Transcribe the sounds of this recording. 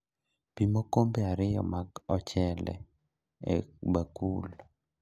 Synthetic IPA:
pimokombeaɾɪjɔ̰maɡɔt͡ʃɛlɛ̰ | ḛbakul

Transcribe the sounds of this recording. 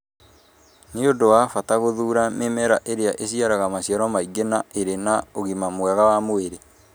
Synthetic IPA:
neodowafataɣoðuːɾamemɛɾaʔeɾeaʔeɕiaɾaɣamaɕjɔɾɔmaiɡenaeɾenaoɣimamwɛɣawamoeɾe

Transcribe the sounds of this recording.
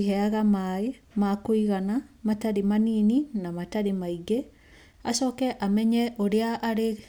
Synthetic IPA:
hɛaɣamae | makoiɣanamataɾimaniːninamataɾimaiɡe | asɔːkɛʔamɛɲɛʔoɾeaʔːɾe

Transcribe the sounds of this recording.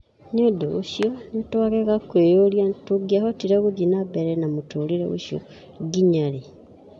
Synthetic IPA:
ɲodoɣṵʃjonotwaɣeɣakwejoljatuɡiahotiɾeɣuðinabeɾenamutuliɾḛβṵʃjo̰ | ɡiɲale

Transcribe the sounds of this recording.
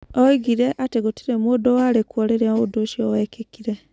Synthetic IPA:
oiɡiɾeʔateɡutiɾemwod̪owalekwoleɾaoud̪oʃiowekekiɾe

